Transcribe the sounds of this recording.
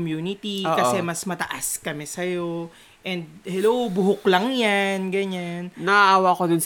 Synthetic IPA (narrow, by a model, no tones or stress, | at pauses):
mjuːnɪt̪ikɐsɛmɐsmɐt̪ɐʔaskɐmɛsɐjo̞ | ʔɛnd̪̚hɛlowbʊɦʊklɐŋjanɡɐɲannɐʔaʔaːwɐkod̪ʊns